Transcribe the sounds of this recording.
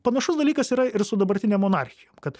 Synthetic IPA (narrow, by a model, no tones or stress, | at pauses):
pɐnɐʃʊsd̪ɐlʲiːkɐsiːɾɐɪɾsʊd̪ɐbɐɾʲt̪ʲɪnʲeːmːoːnɑɾʲxʲɪjoːmkɐt̪